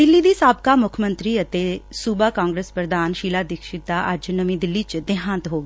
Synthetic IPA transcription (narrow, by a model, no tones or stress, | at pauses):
d̪ɪlːiːd̪iːsaːbkaːmʊkʰmənt̪ɾiːət̪eːsuːbakãːŋɡɾeːspɾəd̪aːnʃiːlaːd̪ɪkʃɪt̪̚d̪aːʔəd͡ʒnəmĩːd̪ɪlːiːt͡ʃd̪ɪɦãnt̪ɦoːɡ